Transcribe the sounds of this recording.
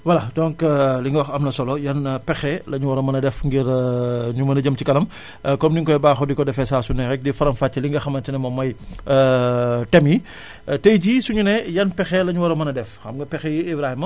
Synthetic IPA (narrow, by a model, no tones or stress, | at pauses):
wɐlɐtɔŋkliŋɡɐwɐxɐmnɐsɔlɔjɐnpɛxɛlɐɲuwɔɾɐmɐnɐdɛfŋɡiɾɲumɐnɐɟəmtikɐlɐm | kɔmdiŋkɔjbaːxɔdikɔdɛfɛsasunːɛɾɛk̚difɐɾɐmfaːt͡ʃːɐliŋɡɐxɐmɐntinɛmɔmːɐj | tɛmi | tejɟisuɲunɛjɐnpɛxɛlɐɲuwɐɾɐmɐnɐdɛfxɐmɡɐpɛxɛjiibɾahimɐ